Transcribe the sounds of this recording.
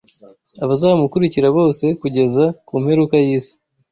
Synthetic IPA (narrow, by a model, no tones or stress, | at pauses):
aβazaːmukuɾiciɾaβo̞ːse̞kuɟe̞zakuːmhe̞ɾukajiːsi̥